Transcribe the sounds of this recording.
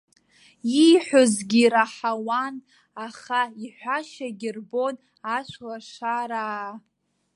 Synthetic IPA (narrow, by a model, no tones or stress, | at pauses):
ijħʷᶣozɡʲiɾaħawan | aχaiħʷaʃaɡʲɪrbo̞n | aʃʷʰwaʂʷaɾaː